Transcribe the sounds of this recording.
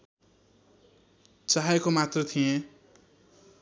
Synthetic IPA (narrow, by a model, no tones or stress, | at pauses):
t͡saɦaekomat̪rʌt̪ʰijẽ